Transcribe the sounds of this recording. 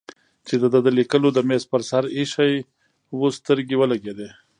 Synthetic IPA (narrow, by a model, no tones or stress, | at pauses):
t͡ʃed̪əd̪əd̪əlikəlod̪əmespəɾsaɾiʃaj | wost̪əɾɡewəlaɡed̪e